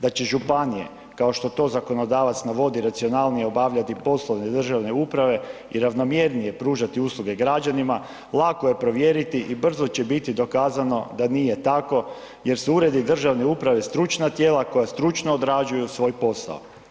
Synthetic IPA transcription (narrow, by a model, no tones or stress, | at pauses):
d̪at͡ɕe̞ʒupanije̞̰ | kao̞ʃt̪o̞t̪o̞ːzako̞no̞d̪aːʋat̪snaʋo̞d̪iɾat̪sio̞nalˠnijeo̞baʋʎat̪ipo̞slˠoʋned̪r̩ʒaʋne̞upɾaʋe̞ | iɾaʋno̞mje̞ɾnije̞pɾuːʒat̪iuslˠuɡe̞ɡɾad͡ʒanima | lˠako̞je̞pɾo̞ʋje̞ɾit̪iʔibr̩zo̞t͡ɕe̞bit̪id̪o̞kaːzano̞d̪anije̞t̪ako̞ | je̞ɾseuɾe̞d̪id̪r̩ʒaʋne̞upɾaʋe̞st̪ɾut͡ʃnat̪je̞ːlako̞jast̪ɾut͡ʃnoːd̪ɾad͡ʒujusʋo̞ːjpo̞sa̰o̰